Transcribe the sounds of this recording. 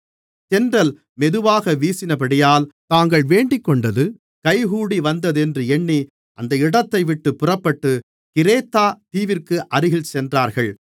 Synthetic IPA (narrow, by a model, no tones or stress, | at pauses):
t͡ʃɛndrɐl | mɛðɯʋaːɣɐʋiːsɪnɐp̬ɐɽɪjaːlt̪aːŋɡɐɭʋeːɳɖɪkːɔɳɖɐðɯ | kɐɪɣuːɽiʋɐnd̪ɐðɯɛndrɯɛɳːi | ʔɐnd̪ɐɪɽɐt̪ːɐɪʋɪʈːɯpːʊrɐpːɐʈːɯ | kɪɾeːt̪ːaːt̪iːʋɪrkɯʔɐɾɯɣɪɭt͡ʃɛndraːɾɣɐɭ